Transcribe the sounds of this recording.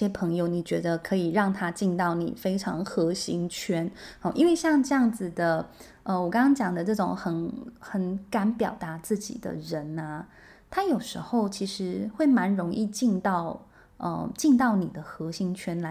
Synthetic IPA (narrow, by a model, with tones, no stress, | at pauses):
jɛ˥pʰɤ˧˥ŋjo˧ʊni˨˩t͡ɕɥɛ˧˥d̪ə˧kʰɤ˧˥i˨˩ɻɑ˥˩ŋt̪ʰa˥t͡ɕi˥˧nt̪ɑ˥˩ʊnḭ˨˩fe˥ɪʈ͡ʂʰɑ̰˧˥ŋxɤ˧˥ɕi˧˥ŋt͡ɕʰɥɛ˥nɔ˥˧ʔḭ˥nwe˥˧ɪɕjɑ˥˧ŋʈ͡ʂɤ˥˧jɑ˥˩ŋd͡zɹ̩˨d̪ə˩ | ə˧wɔ˨˩kɑ˥ŋʰɑ˥ŋt͡ɕjɑ˨˩ŋd̪ə˦ʈ͡ʂɤ˥˩ʈ͡ʂʊ˨˩ŋxə˧˩˦nxə˧˩nka˧˥npjɑ˨˩ʊt̪a˧˥t͡sɹ̩˥˩t͡ɕḭ˨˩d̪ə̰˦ɻə˧˦nɐ˧ | t̪ʰa˥jo˨˩ʊʂɻ̩˧˥xo˥˩ʊt͡ɕʰi˧˥ʂɻ̩˧˥xwe˥˩ɪma˧˥nɻʊ˧˥ŋʔi˥˧t͡ɕi˥˧nt̪ɑ˥˩ʊ | ʔə̰˧t͡ɕi˥˧nt̪̬ɑ˥˩ʊni˨˩d̪ə˦xɤ˧˥ɕi˧˥ŋt͡ɕʰɥɛ˥nla˧˥